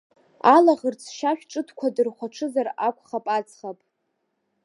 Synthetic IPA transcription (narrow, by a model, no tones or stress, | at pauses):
alaʁərt͡sʰʃaʃᶣʈ͡ʂʼɨtʰkʷʰadɨrχʷaʈ͡ʂʰɨzarakʷʰʼχapʼat͡sʰʼχapʼ